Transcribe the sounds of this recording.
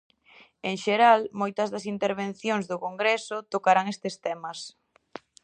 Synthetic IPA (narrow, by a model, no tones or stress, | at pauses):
eŋʃeɾalmojt̪ɐzðɐsint̪eɾβ̞en̟θjoŋzðʊkoŋɡɾesʊt̪okaɾaŋest̪est̪ɛmɐs